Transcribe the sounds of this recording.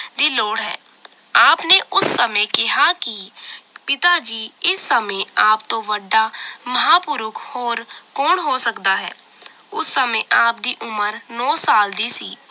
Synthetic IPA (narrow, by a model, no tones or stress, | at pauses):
d̪iːloːɽɦɛ̰ːaːpneːʔʊsːəmẽːkɪɦaːkɪpɪt̪aːd͡ʒiːɪsːəmẽːaːp̚t̪õːʋəɖːaːməɦaːpʊɾʊkʰhoːɾkoːɳɦoːsəkd̪aːɦɛ̰ː | ʊsːəmẽːʔaːpd̪iːʔʊməɾnɔːsaːld̪iːsiː